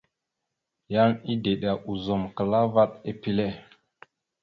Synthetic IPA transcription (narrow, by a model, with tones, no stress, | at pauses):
ja˦ni˦de˨ɗa˨ʔu˨zo˨mkə˨la˦va˦ɗe˨pi˦le˦˨